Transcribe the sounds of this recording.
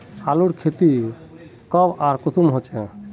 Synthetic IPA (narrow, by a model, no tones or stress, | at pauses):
aluɽkʰet̪i | kəbaɾkust̪umɦot͡ʃɛ̰̃